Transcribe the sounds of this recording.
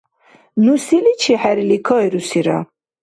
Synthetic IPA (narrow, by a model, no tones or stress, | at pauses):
nusilit͡ʃʰiħɛɾilikʰɔjɾusiɾa̰